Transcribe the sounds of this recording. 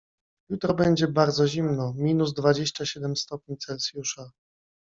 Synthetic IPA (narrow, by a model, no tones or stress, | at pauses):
jut̪ɾɔbɛɲd͡ʑɛbaɾd̪zɔʑimnɔmʲinuzd̪vad͡ʑeɕt͡ɕaɕɛd̪ɛmst̪ɔp̚ʲɲit̪sɛlsʲjuʂa